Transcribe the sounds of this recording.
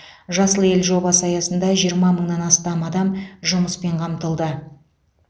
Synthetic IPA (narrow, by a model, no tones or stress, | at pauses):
ʒɑsəlˠəje̞lʒo̞bɑsəɑjɑsənd̪ɑʒijəɾmɑməɴnɑnɑst̪ɑmɑd̪ɑmʒʊməspe̞ɴqʰɑmt̪əlˠd̪ə